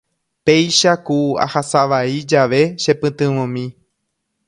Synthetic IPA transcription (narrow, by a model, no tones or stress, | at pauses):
pe̞jʃakua̰hasaʋaid͡ʒaʋe̞ʃe̞pɨ̃t̪ɨ̃ʋõmĩ